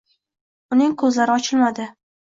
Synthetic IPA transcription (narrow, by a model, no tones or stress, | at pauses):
ʊnɪŋkʰɵzlaɾɪɒt͡ʃʰɪlmad̪ɪ